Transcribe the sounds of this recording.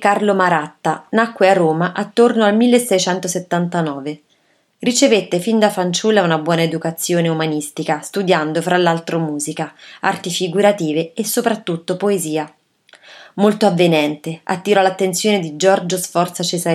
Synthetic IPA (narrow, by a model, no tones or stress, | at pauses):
karlomaɾat̪ːanakːwearːoːmaʔat̪ːornoalmilːesːɛjt͡ʃɛnt̪oset̪ːant̪anɔːve | rit͡ʃevet̪ːefind̪afant͡ʃulːaunabwɔːnaed̪ukat̪sːjoːneumanist̪ikast̪ud̪jand̪ofɾalːalt̪ɾomuːzikaart̪ifiɡuɾat̪iːveesːopɾat̪ːut̪ːopoeziːa | molt̪oavːenɛnt̪ea̰t̪ːiɾɔlat̪ːent̪sjoːned̪id͡ʒɔrd͡ʒosfɔrt̪sat͡ʃeza